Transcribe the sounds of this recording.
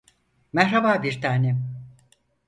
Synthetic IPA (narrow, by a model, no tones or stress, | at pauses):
mɛɦɾabaːbiɾt̪ʰaːnɛ